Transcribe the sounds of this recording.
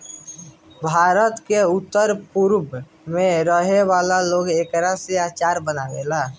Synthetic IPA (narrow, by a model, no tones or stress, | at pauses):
bʱaːɾət̪keʊt̪ːəɾpʊɾb | mẽɾəɦewaːlaloːɡeːkɾaseaːt͡ʃaːɾbənaweːlaː